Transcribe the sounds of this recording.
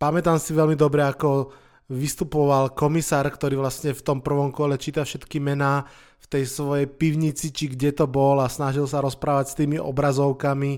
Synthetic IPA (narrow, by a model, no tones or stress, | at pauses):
pamɛt̪aːmsiʋɛlmid̪ɔbɾɛakɔ | ʋist̪upɔʋalkɔmisaːɾkt̪ɔɾiːʋlasɲɛft̪ɔmpr̩ʋɔmkɔlɛt͡ʃiːt̪afʃɛt̪kimɛnaː | ft̪ɛjsʋɔjɛjpiʊɲit͡sit͡ʃiɡɟɛt̪ɔbɔlasnaʒilsaɾɔspɾaːʋacst̪iːmiʔɔ̰bɾazɔʊkami